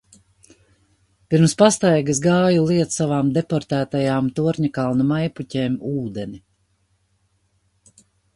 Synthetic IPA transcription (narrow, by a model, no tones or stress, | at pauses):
piɾmspast̪ajɡɨs̬ɡɑːjulˠiɛt̪ssavaːmd̪epɔɾt̪æːt̪ajaːmt̪uɔɾɲakalˠnumajpucʲeːmuːd̪ɛni